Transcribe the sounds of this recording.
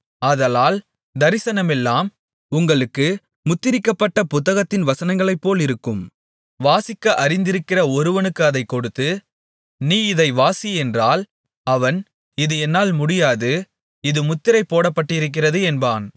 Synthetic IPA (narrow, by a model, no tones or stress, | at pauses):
ɐðɐlaːl | d̪ɐɾɪsɐnɐmɛlːaːm | ʊŋɡɐɭɯkːɯ | mʊt̪ːɪɾɪkːɐpːɐʈːɐpʊt̪ːɐɣɐt̪ːɪnʋɐsɐnɐŋɡɐɭɐɪpːoːlɪɾɯkːɯm | ʋaːsɪkːɐʔɐɾɪnd̪ɪɾɯkːɪrɐɔɾɯʋɐnɯkːɯɐðɐɪkːɔɽɯt̪ːɯ | niːɪðɐɪʋaːsiɛndraːl | ɐʋɐn | ɪðɯɛnːaːlmʊɽɪjaːðɯ | ɪðɯmʊt̪ːɪɾɐɪpːoːɽɐpːɐʈːɪɾɯk̬ːɪrɐðɯɛnbaːn